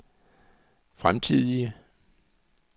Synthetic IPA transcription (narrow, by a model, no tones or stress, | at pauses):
fʁamt͡sʰið̰ˠiə